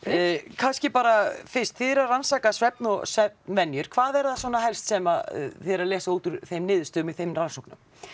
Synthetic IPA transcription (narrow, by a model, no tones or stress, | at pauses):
kʰanscɪpaːɾafɪnst̪fiːðɪɾaransaːkasvɛp̚nɔɣsvɛp̚nvɛnːjʏɾ̥kʰvaːðɛɾðaswɔːnaɦɛlst̪sɛmaθɛɾaðlɛːsauːt̪ʏɾ̥θejmnɪːðʏst̪ʏːmiθejmransowknʏm